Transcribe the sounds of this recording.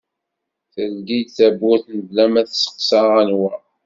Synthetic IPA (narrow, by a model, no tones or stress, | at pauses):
θəlɡiθæbːʊθnəvlæmæθsə̥qsaʁænwæ